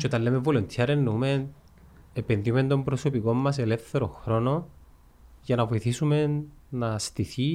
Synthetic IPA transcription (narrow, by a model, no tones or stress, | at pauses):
t͡ʃeot̪ɐnlemevolont̪ʰjɐɾenːume̞n | epenðiume̞nd̪o̞mbɾoso̞piko̞mːɐs̬e̞le̞fθe̞ɾo̞̰xɾo̞no̞ | jɐnɐvoiθisume̞nːɐst̪iθi